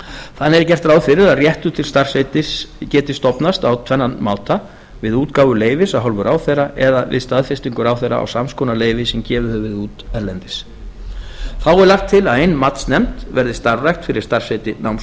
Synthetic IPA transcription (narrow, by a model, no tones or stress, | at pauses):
θanːɛɾɪcɛr̥t̪ɾaːwðfɪɾɪɾaðrjɛht̪ʏt̪ʰɪlst̪ar̥set̪ɪscɛːt̪ɪst̪ɔpnast̪awt̪ʰvɛnːanmaːwt̪a | vɪðuːt̪kaːwvʏleːjvɪsaɦɔlvʏɾʔaːwθejraʔɛðavɪ̰ðst̪aðfjast̪iŋkʏɾawθejɾa̰a̰wsamskʰɔnaleːjvɪsɛmcɛːvʏhœvɪðuːt̪ɛɾlɛnt̪ɪs | θawɛɾlaxt̪ʰːɪlaðejnmat̪snɛmt̪vɛɾðɪst̪aɾrajxt̪fɪɾɪɾ̥st̪aɾ̥sejt̪ɪnawms